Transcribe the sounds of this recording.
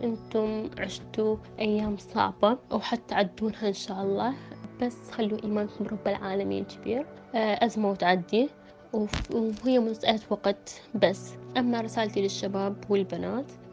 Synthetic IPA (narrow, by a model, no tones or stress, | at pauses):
ʔɪnt̪ʊmʕɪʃt̪uʔajːaːmsˤɑ̰ʕbɑwħat̪ːaʕad̪ːuːnhaʔɪnʃaːʔɑlˤːɑːb̥asːxalːuʔiːmaːnkʊmɾˤʊbːalʕaːlamḭːkɪbiːɾ | ʔazmawt̪ʕad̪ːi | wɦɪjːamʊnsʔalat̪waqt̪basːʔamːaɾɪsaːlt̪ilɪʃːabaːbwɪlbanaːt̪